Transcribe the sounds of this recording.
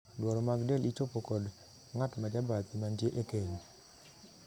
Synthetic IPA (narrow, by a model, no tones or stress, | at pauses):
dwɔɾɔmaɡdɛlʔit͡ʃopokɔd | ŋatmad͡ʒabat̪imandjeʔekeɲi